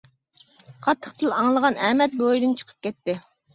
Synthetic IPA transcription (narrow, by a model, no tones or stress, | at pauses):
qʰɑt̪ʰːəχt̪ʰɨlɑŋlˠəʁɑnɛmɛt̪̚bojd̪ɨnt͡ʃʰə̥qʰə̥p̚kʲɛt̪ːɪ